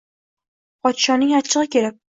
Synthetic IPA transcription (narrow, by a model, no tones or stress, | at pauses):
pʰɒt̪ʃɒnɪŋat͡ʃʰːɨʁɨkʲe̞lɪp̚